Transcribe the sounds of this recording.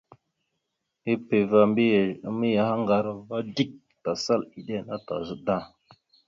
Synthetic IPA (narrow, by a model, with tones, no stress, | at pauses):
i˦pe˨va˨mbmi˦ja˨ha˦ŋɡa˨ɾa˦va˦di˦k̚ | ta˨sa˦˨li˨ɗe˦˨na˦ta̰˨zə˦da˦